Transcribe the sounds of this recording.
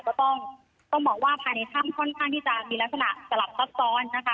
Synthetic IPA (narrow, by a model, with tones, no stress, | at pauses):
kɔː˥˩t̪ɔ˥˩ŋ | t̪ɔ˥˩ŋbɔː˨˩k̚waː˥˩pʰaː˨˩jna˧jt̪ʰaː˥˩mkʰɔ˥˩nkʰaː˥˩ŋt̪ʰiː˥˩t͡ɕa˨˩miː˧la˦˥k̚sa˧na˨˩ʔsa˧la˨˩p̚sa˦˥p̚sɔː˧˥nːa˦˥kʰa˦˥